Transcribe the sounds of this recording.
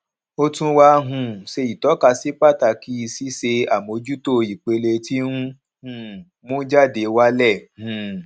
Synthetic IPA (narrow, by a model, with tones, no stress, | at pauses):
o˧tũ˧wa˧˦ɦũ˧˨ʃe˧i˨tɔ˨˦ka˧si˦k͡pa˦˨ta˧˨ki˦˧si˦se˧a˨mo˨˧˦d͡ʒu˦to˦˨i˨k͡pe˧le˧ti˦nũ˦ | hũ˦˨ | mõ˦d͡ʒa˦˨de˨˦wa˦lɛ˦˨hũ˨